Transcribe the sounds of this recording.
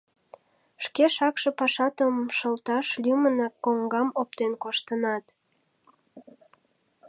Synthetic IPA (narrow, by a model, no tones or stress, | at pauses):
ʃkeʃɑkʃĕpɑʃɑt̪əmʃəlt̪ɑʃlʲymənɑkːoŋɡɑmop̚t̪enkoʃt̪ənɑt̪